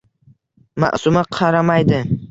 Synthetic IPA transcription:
ma̰ʔsʊmɪqʰɑɾamajd̪ɪ

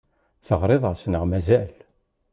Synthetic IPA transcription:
θəʁɾˤɪðˤəsnəʁmæzæl

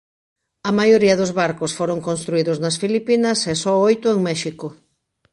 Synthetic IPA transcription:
ɐmajoɾiɐðʊzβaɾkosfoɾoŋkonst̪ɾuiðʊznɐsfilipinɐsɛsɔojt̪ʊeŋmɛʃiko

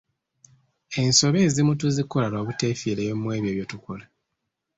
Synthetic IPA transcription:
e̞nso̞βe̞ːzimutuzikolalwaβute̞ːfiːɾejo̞mwe̞ːβjeːβjo̞tukola

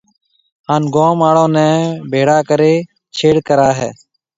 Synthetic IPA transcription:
ɦaːnɡoːmaːɽõːnɛ̃ːbʱeːɽaːkəɾeː | t͡ʃʰeːɽkəɾaːɦɛ̰ː

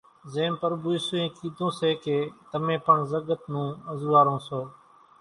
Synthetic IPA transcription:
zeːmpəɾbuːiːsuːẽːkiːd̪ʱõːseːkeːt̪əmẽːpəɳzəɡət̪nũːəzuːaːɾõːsoː

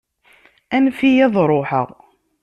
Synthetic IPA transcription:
ænfijæðˤɾˤoħə̰ʁ

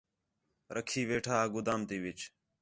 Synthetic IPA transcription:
ɾəkʰiːʋeːʈʰaːɡʊd̪aːmt̪iːʋɪt͡ʃ

